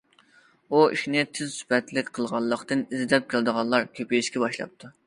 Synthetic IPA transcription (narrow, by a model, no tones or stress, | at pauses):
uḭʃnɪt̪ʰɪzsy̥pɛt̪lɪkʲqʰəlˠʁɑlˠːəqt̪ɨnizd̪ɛp̚kʲʰɪlˠd̪əʁɑlˠɑɾkʲʰøpejiʃkʲɛbɑʃlˠɑ̰p̚t̪ʰu